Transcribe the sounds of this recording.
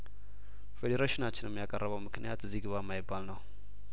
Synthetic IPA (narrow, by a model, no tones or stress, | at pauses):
fed̪eɾaʃɪnat͡ʃːɪnɨmːjakʼərːəβəwmɨknɨjat̪ɨziɡɨβamːajɪbːalnəw